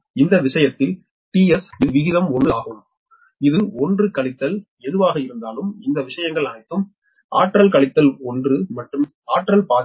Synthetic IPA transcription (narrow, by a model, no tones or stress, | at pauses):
ɪnd̪ɐʋɪʂɐjɐt̪ːɪl | ʈiːɛsɪðɯʋɪɣɪðɐmɔnɯaːɣɯm | ɪðɯɔndrɯkɐɭɪt̪ːɐl | ɛðɯʋaːɣɐɪɾɯnd̪aːlɯmɪnd̪ɐʋɪʂɐjɐŋɡɐɭɐnɐɪt̪ːɯm | ʔa̰ːʈːɾɐlkɐɭɪt̪ːɐlɔndrɯmɐʈrɯm | aːʈːɾɐlpaː